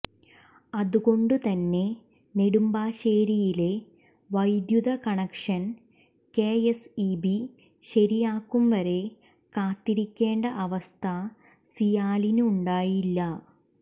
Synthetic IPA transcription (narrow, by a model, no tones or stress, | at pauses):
ɐðuɣo̞ɳɖut̪ɐnːe̞ | ne̞ɽumbaːɕeːɾijile̞ | ʋɐjd̪juðɐkɐɳɐkʂɐn | keːesibi | ɕɐɾijaːkːumʋɐɾe̞ | kaːt̪ːiɾikʲːe̞ːɳɖɐʔɐʋɐst̪ʰɐ | sijaːlinuːɳɖaːjilːɐ